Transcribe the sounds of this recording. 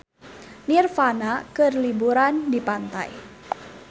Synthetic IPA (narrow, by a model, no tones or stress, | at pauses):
nirfanakɨrlibuɾandipant̪a̰j